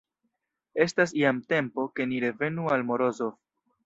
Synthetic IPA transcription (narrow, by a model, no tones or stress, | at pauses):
e̞stas̬iamte̞mpo̞ke̞niɾe̞ve̞nualmo̞ɾo̞zof